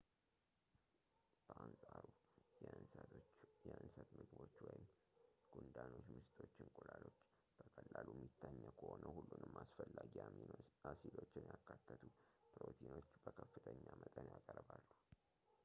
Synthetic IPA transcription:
b̥əʔansʼaɾu | jɛʔɨnsət̪mɨɡbo̞t͡ʃːwɔjɪm | ɡ̥und̪ano̞t͡ʃːmɨst̪ʰʼo̞t͡ʃːɪŋkʼulalo̞t͡ʃː | b̥əkʼəlːalumːit̪ʰːaɲːəkʰəhonəhulːunɨmːasfəlːaɡiamiasilo̞t͡ʃːɪnjakːat̪ʰːət̪ʰupʰɨɾo̞t̪ʰino̞t͡ʃːbəkʰəfːɨt̪ʰəɲːamət̪ʼənjakʼəɾbalːu

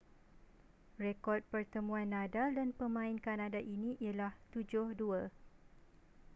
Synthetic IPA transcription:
rekɔt̪̚pərt̪əmũanːadaldanpəmãinkanadaʔinĩʔialaht̪ud͡ʒʊhduə

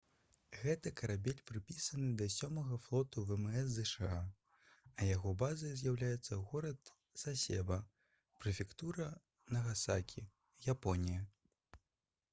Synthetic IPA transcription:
ɣɛt̪ɐkɐɾabʲelʲpɾɨpʲisɐnɨd̪ɐsʲɔmɐɣɐflˠɔt̪uvɛmɛs̬ːɛʂɨa | ɐjaɣɔbazɐjzʲjawlʲajɛt̪sːɐɣɔɾɐt̪ | sasʲɛ̰bɐ | pɾɨfʲɛkt̪uɾɐ | nɐɣasakʲʰi | japɔnʲijɐ

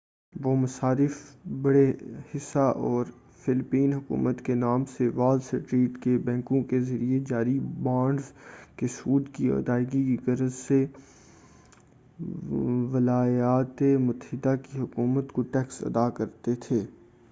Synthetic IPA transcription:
ʋoːmɐsaːɾɪfbɐɽehɪsːaʔɔːɾ | fɪlpiːnɦʊkṵːmət̪kenaːmseʋaːlsəʈɾiːʈkebɛ̃ːkõkezɐɾied͡ʒaːɾibãːɳɖzkesuːd̪kiɐ̰d̪aːɪɡikiɡɐɾəzse | ʋɪlaːjaːt̪emʊt̪əɦɪd̪akiɦʊkuːmət̪koʈɛːksɐ̰d̪akɐɾt̪et̪ʰeː

